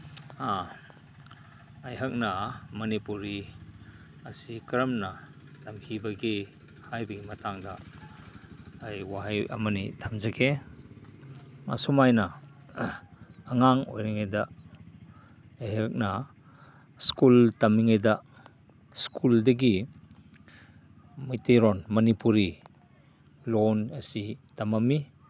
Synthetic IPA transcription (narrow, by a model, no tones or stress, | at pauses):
a | jɦɐk̚nɐmɐnipuɾi | ɐsikɾɐmnɐ | tamhibɐɡi | hajbɐɡimɐtaŋdɐ | jwaɦajʔɐ̰mɐnḭtʰamzɐkʰe | a̰sumajnɐ | ŋaŋɔ̰jɾiŋajd̪ɐ | eɦeɾk̚na | skultɐmːiŋajdɐ | skʰuldɐɡ̬i | mijteɾɔnmɐnipuɾi | lonɐsitɐmɐmi